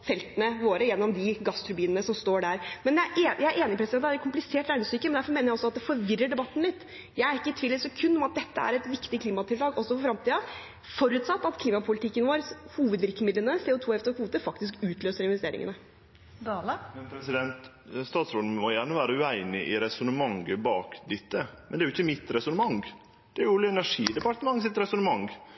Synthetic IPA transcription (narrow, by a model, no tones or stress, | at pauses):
fɛlt̪ənəʋoːɾəjɛnːɔmd̪ɪɡɑst̪ʰɾʉɾbiːnənəsɔmst̪oːɖæɾmɛnjæʔeːjæɪɾʔeːnɪpʰɾɛsɪd̪ɛnæɾɛkʰʊmplɪseːʈɾæɪnɪsyːkəmɛnd̪æɾfɔɾmeːnəɾjæɪɔsɔɑt̪̚d̪ɛfɔɾʋɪrːəɖɛbɑt̪ːn̩mɪt̪ː | jæɪæɾɪkːət̪ʰʋiːlːəsɛkʰʉnːɔmɑt̪̚d̪ɛt̪ːəæ̰ɾɛt̪ʋɪkt̪ɪkʰliːmɑt̪ʰɪlt̪ɑːɡɔsːɔfɔfɾɑmt̪ʰiːɑ | fɔɾʉːt̪sɑt̪ːɑt̪kʰliːmɑpʰʊlɪt̪ʰɪkːənʋoːɾhuːʋəd̪ʋɪɾkəmɪd̪lənəseʊːt̪ʰuːɛft̪ɔkʰʋuːt̪əfɑkt̪ɪskʉːt̪ʰløːsəɾɪnʋɛst̪eːɾɪ̰ŋə̰nə | mɛnpʰɾɛsɪd̪ɛnt̪ | st̪ɑːt̪sɾoːd̪mɔjæːɳəʋæːɾəʉæɪnɪʔɪɾɛsɔnəmɑŋɡəbɑːkd̪ɪt̪ːəmɛnd̪ɛæɾjʊɪçːəmɪt̪ɾɛsɔnəmɑŋ | d̪̥ɛæɾjʊlːɛnæʂiːd̪ɛpɑʈ̪əmɑŋːsɪt̪ɾɛsɔnəmɑŋ